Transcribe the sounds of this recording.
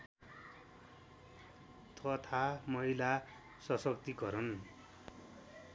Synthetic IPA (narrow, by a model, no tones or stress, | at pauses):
t̪ʌt̪ʰamʌila | sʌsʌkt̪iɡʌɾʌn